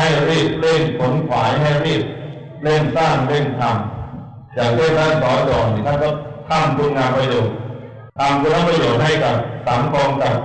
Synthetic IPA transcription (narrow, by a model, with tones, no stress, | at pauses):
ha˥˩jɾiː˥˩p̚le˥˩npʰo˩˦nkʰwaː˩˦jɦa˥˩jɾiː˥˩p̚ | le˥˩nsaː˥˩ŋle˥˩nt̪ʰa˧m | t͡ɕaː˨˩k̚le˥˩nt̪ʰaː˥˩nsɔː˩˦dɔː˨˩k̚niː˨˩t̪ʰaː˥˩kɔ˧˩k̪ʰaː˥˩ŋt̪ʰu˧ŋaː˧mpɾa˧joː˨˩t̪̚ | t̪ʰaː˧mkːla˥˩pɾa˧joː˨˩t̪̚ɦa˥˩jka˨˩p̚sa˩˦ŋkɔː˧ŋka˨˩p̚